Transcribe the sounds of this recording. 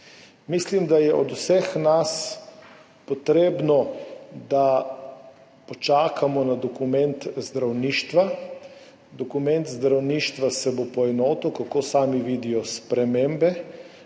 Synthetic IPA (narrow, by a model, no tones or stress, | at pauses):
mislimd̪ajɛʔɔd̪usɛxnas | pɔt̪ɾeːbnɔd̪a | pɔt͡ʃaːkamɔnad̪ɔkumɛnt̪zd̪ɾawniːʃt̪ʋa | d̪ɔkumɛ̃nt̪zd̪ɾawniːʃt̪ʋasɛbopɔɛnɔːt̪uwkakosaːmiʋiːd̪ijɔspɾɛmembɛ